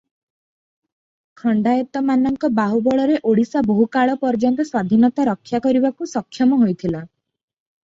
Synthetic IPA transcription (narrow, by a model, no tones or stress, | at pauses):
kʰɔɳɖajɔt̪ɔmanɔŋkɔbaɦubɔɭɔɾeʔoɽisaboɦukaɭɔpɔɾd͡ʒɔnt̪ɔswad̪ʱinɔt̪aɾɔkʰːjakɔɾibakusɔkʰːjɔmɔɦojt̪ʰila